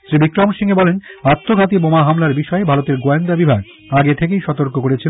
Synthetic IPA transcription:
ʃɾibikɾɔmʃiŋebɔlenat̪ːoɡʱat̪ibomaɦamlaɾbiʃɔebʱaɾot̪eɾɡoend̪abibʱaɡ | aɡet̪ʰek̬ejʃɔt̪oɾkokoɾet͡ɕʰil

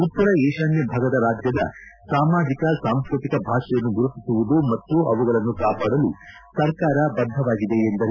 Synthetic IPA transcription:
up̪ːɐɾɐeːʃaːnjɐbʱaːɡɐd̪ɐɾaːd͡ʒjɐd̪ɐ̰saːmaːd̪ikɐsaːmskɾut̪ikɐbʱaːʂɐjɐnːuɡuɾupisuʋud̪umɐt̪ːuɐʋuɡɐɭɐnːukaːpaːɽɐlu | sɐɾkaːɾɐbɐd̪ʱɐʋaːɡid̪e̞ːnd̪ɐɾ

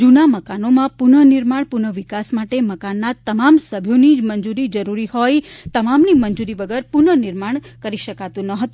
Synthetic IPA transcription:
d͡ʒunaməkanomãpunəniɾmaɳpunəʋikasmaʈeməkanːat̪əmamsəbʱjonimənd͡ʒuɾid͡ʒəɾuɾihojt̪əmamnimənd͡ʒuɾiʋəɡəɾpunəniɾmaɳ̃ | kəɾiʃəkat̪ũnəɦət̪u

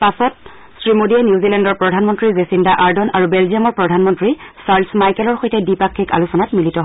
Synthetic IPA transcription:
pasɔt̚ | sɹimodianjiuzilɛndɔɹpɹɔdʱanmɔntɹizesindaʔaɹdɔnaɹubelziamɔɹpɹɔdʱanmɔntɹisaɹlsmajkɛlɔɹxojtɛdipakʰːika̰lusɔnatmilitɔɦ

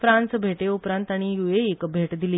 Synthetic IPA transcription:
fɾansbʱeʈeupɾãnt̪aɽ̃ijueːkbʱeʈd̪ili

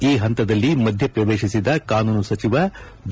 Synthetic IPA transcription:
iːɦɐnt̪ɐd̪ɐlːimɐd̪ʱjɐpɾɐʋeːʃisid̪ɐkaːnuːnusɐt͡ʃiʋɐ | d̪

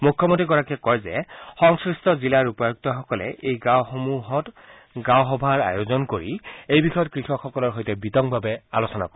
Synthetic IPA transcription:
mukʰːɔmontɹiɡɔɹakɛkɔjzɛxɔŋskɹistɔzilaɹupɔjuk̚tɔxɔkɔlɛ̰ʔejɡawxomuɦɔt | ɡawxɔbʱaɹa̰jozɔnkoɹiejbixɔjɔt̚kɹixɔkxɔkɔlɔɹɦojtɛbitɔŋbʱabɛalosɔna̰koɛ

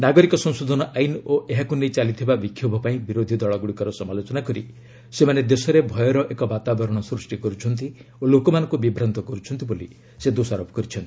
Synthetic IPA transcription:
naɡɔɾikɔsɔ̃ŋ̃sod̪ʱɔnɔʔainoʔeɦakunejt͡ʃalit̪ʰibabikʰːjubʱɔpaĩbiɾod̪ʱid̪ɔɭɔɡuɽikɔɾɔsɔmalot͡ʃɔnakɔɾḭ | semaned̪esɔɾebʱɔjɔɾɔʔekɔbat̪abɔɾɔɽ̃ɔsɾusʈikɔɾut͡ʃʰɔnt̪iolokɔmanɔ̃ŋkubibɾant̪ɔkɔɾut͡ʃʰɔnt̪iboli | sed̪osaɾɔpɔ̥kɔɾit͡ʃʰɔnt̪i̥

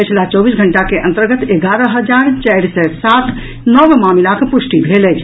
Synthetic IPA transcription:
pət͡ʃʰlat͡ʃɔbisɡʱəɳʈakeʔə̰̃nt̪əɾɡət̪eɡaɾəɦəd͡ʒaɾt͡ʃajɾsɛsat̪ | nɔbmamilakpusʈibʱelət͡ʃʰ

